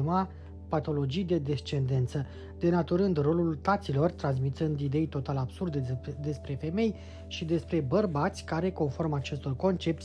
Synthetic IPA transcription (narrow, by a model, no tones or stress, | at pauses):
ma | pat̪o̞lo̞d͡ʒijd̪e̞d̪e̞st͡ʃe̞nd̪e̞nt̪sə | d̪̥e̞nat̪uɾɨnd̪ro̞lult̪at̪silo̞rt̪ɾans̬mit̪ɨnd̪id̪e̞jt̪o̞t̪alab̥surd̪ed̪e̞spɾe̞fe̞me̞j | ʃid̪e̞spɾe̞bərbat̪sʲkaɾe̞ko̞nfo̞rmat͡ʃe̞st̪o̞rko̞nt͡ʃe̞p̚t̪sʲ